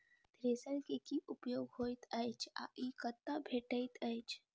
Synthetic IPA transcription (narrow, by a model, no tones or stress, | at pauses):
d̪̥ɾesəlkekiʔupjoɡɦojt̪əjt͡ʃʰa̰ʔikət̪ːabʱeʈəjt̪əjt͡ʃʰ